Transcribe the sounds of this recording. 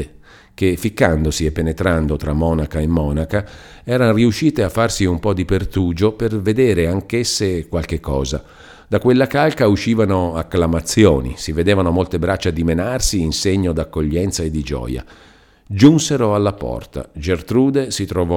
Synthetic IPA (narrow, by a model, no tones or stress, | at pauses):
k̟efːikːand̪osiepːenet̪ɾand̪ot̪ɾamːɔːnakaemːɔːnaka | ɛːɾanoriuʃːiːt̪eafːarsiumpɔd̪ipert̪uːd͡ʒoperved̪eːɾeaŋkesːekwalk̟ekːɔːza | d̪akwelːakalkauʃːiːvanoakːlamat̪sːjoːnḭsived̪eːvanomolt̪ebɾat͡ʃːad̪imenarsiːnseɲːod̪akːoʎːɛnt̪saed̪ːid͡ʒɔ̰ːja̰ | d͡ʒunseɾoalːapɔ̰rt̪a̰d͡ʒert̪ɾuːd̪esit̪ɾovɔ